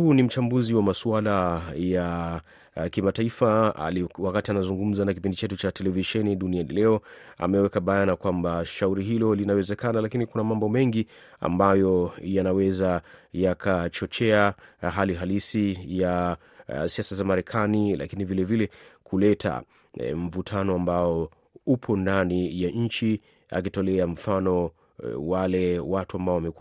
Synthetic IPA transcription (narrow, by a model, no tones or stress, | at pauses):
hunim̩t͡ʃambuziwamasuwalaja | kimataifaa̰liwakatianazuŋɡum̩zanakipindit͡ʃɛtut͡ʃatɛlɛviʃɛniɗunianilɛɔa̰mɛwɛkaɓajanakwambaʃauɾiɦilɔlinawɛzɛkanalakinikunamambɔmɛŋɡia̰mbajɔjanawɛzajakʰat͡ʃɔt͡ʃɛaɦaliɦalisija | siasazamaɾɛkʰanila̰kinivilɛvilɛkʰulɛtʰa̰ | ɱ̩vutʰanɔambaɔ | upʰɔndanijaɲ̩t͡ʃi | a̰k̬itɔlɛaɱ̩fanɔ | walɛwatuambaɔwamɛk